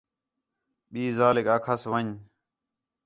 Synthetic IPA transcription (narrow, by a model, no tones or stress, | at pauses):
ɓiːzaːlekaːkʰasʋəɲ